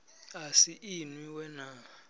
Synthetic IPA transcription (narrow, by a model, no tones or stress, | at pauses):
asiʔinwiwɛna